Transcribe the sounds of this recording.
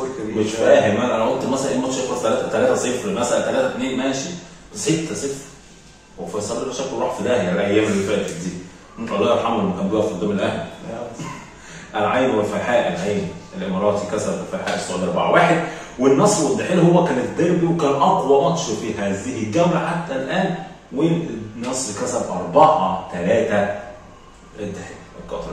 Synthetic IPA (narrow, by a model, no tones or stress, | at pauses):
mefæːɦemʔænʔænæʕod̪t̪ːmæsʔælæʔeːmɑt̪ʃefɑst̪ælæːt̪æt̪ælæːt̪æsefɾmæsʔælæt̪ælæːt̪æt̪neːnmæːʃi | set̪ʰːæsefɾ | wefæsˤɑlːelæʃækːolˤɑːħfid̪æːhjalʔæjːæːmelːifæːʔt̪ed̪iː | ent̪ˤʔɑlˤːɑjɑħamːælmkæmboæfid̪ˤæmelʔæhl | ʔælʕajːmwælfælħaːʔælʕajːmelʔemɑɾˤɑːt̪ikæsæbfælħaːʔsˤɑʕd̪ʔɑɾˤbaʕwaːħed̪̚wenːɑsˤːwed̪ːaħelhowːækæːnet̪d̪æɾbiwekæːnʔɑqwɑʔɑt̪ˤʃɑfiɦæːzɪhɡæwɾaħat̪ːælʔæːnwenːɑsˤːkæsæbʔɑɾˤbɑʕɑt̪ælæːt̪æ | ʔed̪ːaħelekːɑ̰t̪ɾ